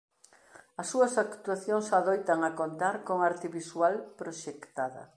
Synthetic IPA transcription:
ɐsːuɐsakt̪uaθjoŋsaðojt̪ɐŋɐkont̪aɾkoŋaɾt̪iβiswalpɾoʃekt̪aðɐ̰

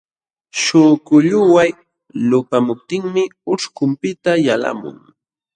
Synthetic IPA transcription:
ʃʊkʊʎʊwaj | lʊpamʊp̚t̪ɪŋmɪʊʂkʊmpɪt̪ajala̰mʊ̰ŋ

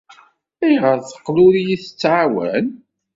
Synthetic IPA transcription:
æjʁəɾθə̥qːlʊɾijiθə̥t͡sːʕawæ̰n

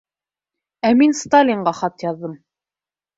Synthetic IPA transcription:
æminst̪alʲiɴɢɑχɑt̪jɑðːɤm

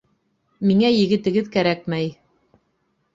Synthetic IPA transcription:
miŋæjɘ̆ɡɘ̆t̪ɘ̆ɡɘðkæɾæk̚mæj

